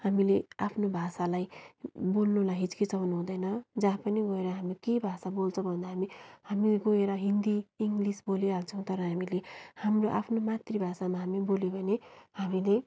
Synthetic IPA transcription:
hamileapʰnobʱasalajbolnulaɦit͡skit͡sʌnuɦũd̪ʌjnʌd͡zapʌniɡoeɾʌɦamikebʱasabolt͡sʰʌbʱʌnd̪aɦamihamiɡoeɾʌɦind̪iiŋɡlisbolealt͡sʰʌw̃t̪ʌɾʌɦamilehamroʔa̰pʰnomat̪ribʱasamaɦamibolebʱʌnehamile

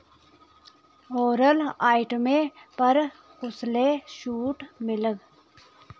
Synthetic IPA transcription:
oːɾəlaːiʈmẽpəɾ | ɣʊsleʃuːʈmɪləɡ

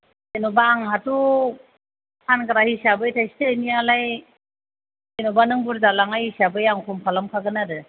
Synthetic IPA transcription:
enobaːŋhatu | hʰankaɾahisabɯjtʰajstenialaj | enɔbanɯŋbuɾzalaŋajisabɯjaŋkʰumpʰalamkʰaɡɯnaɾɯ

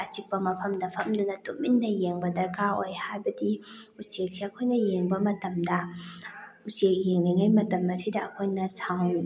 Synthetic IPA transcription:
ɐt͡ʃipːɐmɐpʰɐmdɐpʰɐmdunɐtuk̚minːɐjeŋbɐdɐɾkʰaojhajbɐdiut͡ʃek̚siɐkʰojnɐjeŋbɐmɐtɐmdɐ | ut͡ʃek̚jeŋniŋajmɐtɐmɐsidɐɐkʰojnɐsaŋ

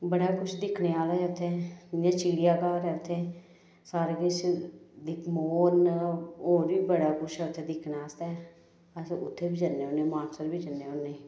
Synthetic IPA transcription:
bəɽaːkʊt͡ʃʰd̪ɪkʰneːaːlɛʊt̪ʰːeːãːt͡ʃiːɽijaːkaːɾɛːʊt̪ʰːeː | saːɾeːkɪt͡ʃʰd̪ɪkʰmoːnoːɾbiːbəɽaːkʊt͡ʃʰɛʊt̪ʰːeːd̪ɪkʰnaːst̪ɛː | əsʊ̰t̪ʰːeːbiːd͡ʒənːeːoːneːmaːnsəɾbiːd͡ʒənːeːoːnːeː

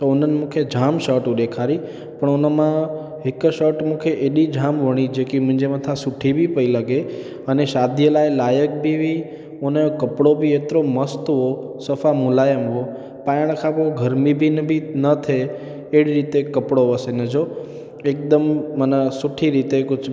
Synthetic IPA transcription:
t̪oonənemũkʰed͡ʒʱamʃəʈũɗekʰaɾi | pəɳonəmã | ɦɪkʃəʈmũkʰeʔeɗid͡ʒʱamʋəɽ̃id͡ʒekimə̃nd͡ʒemãt̪ʰãsʊʈʰibʱipəiləɡe | əneʃad̪ʱijəlajlajək̚bʱiʋi | onjokəpɽobʱiet̪ɾoməst̪ɦo | səfamʊlajəmɦo | pajəɽ̃kʰapoɡʱəɾmibʱinbʱinət̪ʰeː | ɽiɾit̪ekəpɽoʋəsenəd͡ʒo | ek̚d̪əmːənəsʊʈʰiɾit̪ekʊd͡ʒ

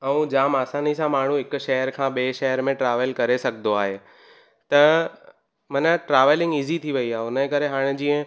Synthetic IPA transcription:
ɐũd͡ʑaːmaːsaːnisãmaːɳ̤ũɦɪkʊ̆ʃɐɦəɾkʰãːɓeːʃɛɦəɾmẽʈɾaːʋəlkɐɾesɐɡʱnd̪oaːɦeː | t̪ɐ | mɐnəʈɾaːʋəlɪ̃ŋɡiːzit̪ʰiʋɐiaːeʊnə̃kɐɾeɦaːɽ̃ɪ̆d͡ʑiːə̃

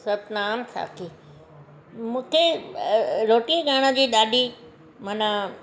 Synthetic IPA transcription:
sɐt̪naːnsa̰ːkʰi | mũːkʰe | ɾoːʈieɡaːɽ̃ə̆d͡ʑiːɗ̪aːɗi | manə

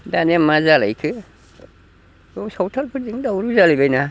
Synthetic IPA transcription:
danamːazala̰jkʰɯ | osɔwtʰalpʰɯziŋdawɾuzalibajna

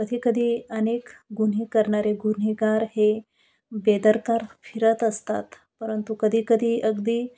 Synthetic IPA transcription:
kəd̪ʱikəd̪ʱiənekɡun̤ɦekəɾɳaɾeɡun̤iɡaɾhe | bed̪əɾkaɾfʰiɾət̪əst̪a̰t̪ | pəɾənt̪ukəd̪ʱikəd̪ʱiʔəɡd̪i

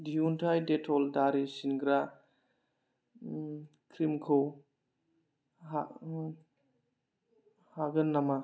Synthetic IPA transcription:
diuntʰajdetʰɔldaɾisinɡɾa | kʰɾimkʰɯw | a | haɡənːama

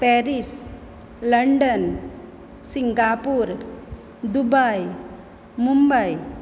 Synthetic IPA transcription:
pɛɾis | ləɳɖən | siŋɡapuɾ | d̪ubaj | mumbəj

